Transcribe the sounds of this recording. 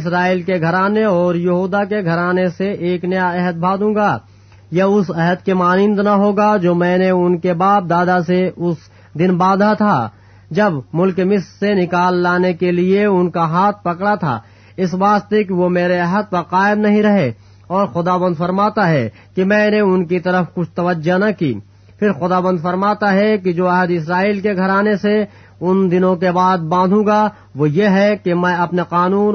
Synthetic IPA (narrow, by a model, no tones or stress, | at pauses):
ɪs̬ɾaːiːlkeɡʱɐɾaːneɔːɾjɐɦuːd̪akeɡʱɐɾaːneseʔeːknɐjaɛɦəd̪̚bʱaːd̪ũːɡaː | jɐʊsɛɦəd̪kemaːnɪ̃nd̪naɦoːɡad͡ʒoːmɛ̃ːneʊnkebaːp̚d̪aːd̪aseʊs | d̪ɪnbaːd̪ʱat̪ʰa | d͡ʒɐbmʊlkmɪsɾsenɪkaːlːaːnekelieʊnkaɦaːt̪ʰpɐkɽat̪ʰa̰ː | ɪsʋaːst̪ekiʋomeːɾeɐɦəd̪̚pɐɾqaːɪmnɐɦĩɾɐɦe | ɔːɾxʊd̪aːʋə̃nd̪fɐɾmaːt̪aɦɛ | kimɛ̃ːneʊnkit̪ɐɾəfkʊt͡ʃʰt̪ɐʋəd͡ʒanɐkḭː | pʰɪɾxʊd̪aːʋə̃nd̪fɐɾmaːt̪aɦɛkid͡ʒoːɛɦəd̪ɪsɾaːiːlkeɡʱɐɾaːnese | ʊnd̪ɪnõkebaːd̪̚bãːd̪ʱũːɡa | ʋojeɦɛkemɛ̃ɐpneqaːnuːn